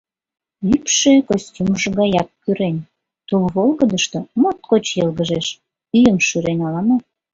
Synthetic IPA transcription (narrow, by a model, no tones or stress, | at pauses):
ypʃekosʲtʲumʒəɣɑjɑk̚kyɾenʲ | t̪ulβolɣəd̪əʃt̪omot̪̚kot͡ɕjɤlɣəʒeʃ | yjəmʃyɾenʲɑlɑmɑ